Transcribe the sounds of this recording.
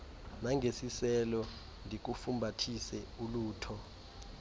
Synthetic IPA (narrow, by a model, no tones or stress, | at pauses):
naŋʱesisɛlɔ | ndʱik̬ufumbʱatʰisɛuluːtʰɔ